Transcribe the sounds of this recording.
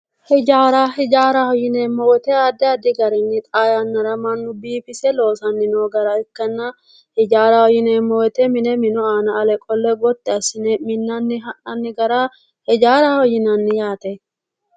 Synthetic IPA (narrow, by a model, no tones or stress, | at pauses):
hɛd͡ʒaːɾahɛd͡ʒaːɾɐhɔjɪneːmːɔwɛt̪ɛad̪ɛɐd̪ɪɡɐɾɛnːɪt̪ʼaːjɐnːɐɾɐmɐnːʊbiːfɪsɛlo̞ːsɐnːɪnoːɡɐɾɐɪkːɐnːɐ | hɪd͡ʒaːɾɐhɔjɪneːmːɔwɛt̪ɛmɪnɛmɪnɔaːnɐːlɛkʼɔlːɛɡɔt̪ːɛɐsɪnɛmɪnːɐnːɪɦɐnɐnːɪɡɐɾa | hɛd͡ʒaːɾɐhɔjɪnɐnːɪjaːt̪ɛ